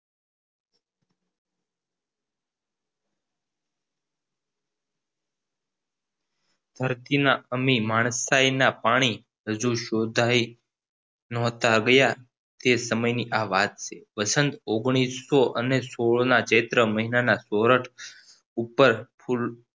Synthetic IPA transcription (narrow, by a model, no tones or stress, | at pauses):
d̪ʱəɾt̪inaəmimaɳ̃sainapaɽ̃i | ɦəd͡ʒuʃod̪ʱai | nɔɦt̪aɡəja | t̪esəməjniʔaʋat̪̚t͡ʃʰeʋəsənt̪oɡɳ̃isoʔənesoɭnat͡ʃet̪ɾəməɦinanasoɾəʈʰ | upəɾpʰul